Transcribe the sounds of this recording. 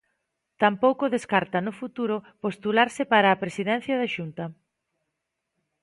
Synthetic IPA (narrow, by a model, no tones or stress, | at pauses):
t̪ampowkʊðeskaɾt̪ɐnʊfut̪uɾʊpost̪ulaɾsɪpaɾaːpɾesiðɛn̟θjaðaʃunt̪ɐ